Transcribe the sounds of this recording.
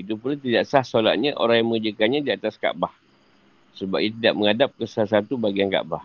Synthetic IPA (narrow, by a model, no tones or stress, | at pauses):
it̪upult̪̬idaʔsahsola̰t̪̚ɲaʔo̰ɾaŋjaŋməŋəd͡ʒəkanɲadiat̪aska̰ʔbah | səbap̚ijat̪̬idaʔməŋadap̚kəsalasat̪ubaɡianka̰ʔbah